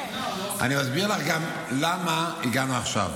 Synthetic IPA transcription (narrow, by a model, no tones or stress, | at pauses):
ʔa̰nimazbiʁelaχɡam | lamaiɡanuaχʃa̰v